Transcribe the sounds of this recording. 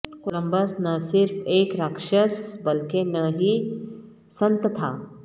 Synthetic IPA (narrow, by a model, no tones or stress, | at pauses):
kʊlə̃mbəsnɐsɪɾfeːkɾəkʃəsbɐlkenɐɦi | sɐ̃nt̪t̪ʰaː